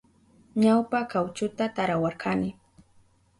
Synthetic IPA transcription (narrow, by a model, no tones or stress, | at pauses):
ɲawpakawt͡ʃʊt̪at̪aɾawaɾkʰanɪ